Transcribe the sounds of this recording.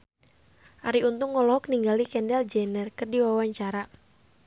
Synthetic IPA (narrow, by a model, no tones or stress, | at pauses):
ʔaɾiunt̪ʊŋːɔlɔɦɔk̚niŋɡalikɛndɛld͡ʒɛnərkɨrdiwawaɲt͡ʃaɾa